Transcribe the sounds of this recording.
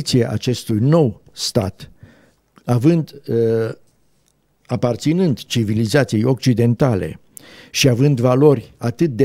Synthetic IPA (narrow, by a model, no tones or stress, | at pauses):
t̪siaʔa̰t͡ʃe̞st̪ujno̞wst̪a̰t̪ | avɨnd̪ | apart̪sinɨnd̪t͡ʃivilizat̪sijo̞k̚t͡ʃid̪e̞nt̪ale̞̰ | ʃiavɨnd̪valo̞rʲat̪ɨt̪̚d̪e